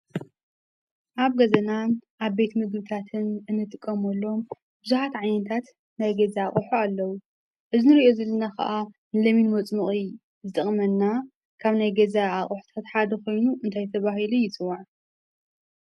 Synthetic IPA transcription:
ʔaβɡɐzɐnanʔaβbet̪mɨɡbɨt̪ʰat̪ʰɨnʔɨnːɨt̪ʼɨkʼːɐmɐlːo̞m | bɨzuħat̪ʕajnɐt̪ʰat̪ | najɡɐzaaχʼuħualːɐwu | ʔɨzinɨɾiʔo̞zɐlːɐnakʰɐ̰ʔa | nɨlɐminmot͡sʼmɨχʼi | zɨt̪ʼɨχʼmɐnːa | kʰaβnajɡɐzaːχʼuħu̥t̪ʰat̪ħad̪ɐxo̞jnuʔɨnt̪ʰajt̪ʰɐβaɦilujɪt͡sʼɨwːaʕ

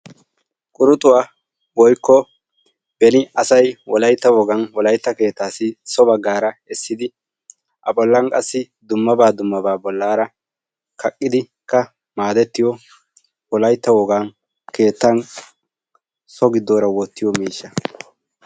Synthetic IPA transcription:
kʼʊɾʊt̪ʼʊwa | wɔjkːɔ | b̥ɛnɪɐsɐjwɔlɐjt̪ːɐwɔɡɐnwɔlɐjt̪ːɐke̞ːt̪ːaːsɪsɔbɐɡːaːɾɐɛsːɪd̪ɪ | ʔɐ̰bɔlːɐnkʼɐsːɪ | d̪ʊmːɐbaːd̪ʊmːɐbaːbɔlːaːɾɐ | kʰɐkʼːɪd̪ɪ | kːɐ | maːd̪ɛt̪ːɪjɔ | wɔlɐjt̪ːɐwɔɡaːn | ke̞ːt̪ːɐn | sɔɡɪd̪ːoːɾɐwɔt̪ːɪjɔmiːʃːɐ

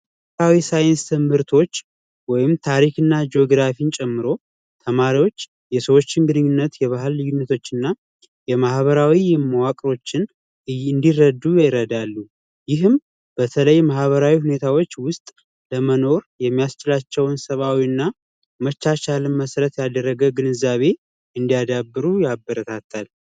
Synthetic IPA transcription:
awisajnst̪ʰɨmhɨɾt̪ʰo̞t͡ʃː | wɔjɪmt̪ʰaɾikɨnːad͡ʒo̞ɡɾafint͡ʃʼɛmːɨɾo̞ | t̪ʰəmaɾiwo̞t͡ʃː | jɛsəwo̞t͡ʃːɪnɡɨnɨɲːunːət̪jɛβaɦɨlːɨjunːət̪ʰo̞t͡ʃːɨnːa | jɛmahβəɾawimːəwakʼɾo̞t͡ʃːɪn | ɨnd̪irəd̪ːujɛɾəd̪alːu | jɪɦɨm | b̥ət̪ʰələjmahβəɾawihune̞t̪ʰawo̞t͡ʃːwʊst̪ʼ | ləməno̞ɾjɛmːijast͡ʃɪlat͡ʃːɛwnsəβawiɨnːa | mət͡ʃːat͡ʃalɨnməsɾət̪jad̪ərːəɡəɡɨnɨzːaβe̞ | ɨnd̪ijad̪abːɨɾujabːəɾət̪ʰat̪ːal

